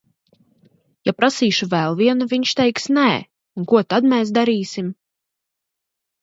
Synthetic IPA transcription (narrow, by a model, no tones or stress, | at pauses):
japɾasiːʃuvɛlˠviɛnuviɲʃt̪ɛjksnɛː | uŋkuɔt̪ad̪mɛːs̬d̪aɾiːsim